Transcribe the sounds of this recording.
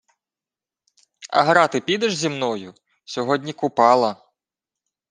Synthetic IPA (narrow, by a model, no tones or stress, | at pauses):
ɐ̰ɦɾɑt̪ɪpʲid̪ɛʒzʲimnɔjʊ | sʲɔɦɔdʲnʲikʊpɑlˠɐ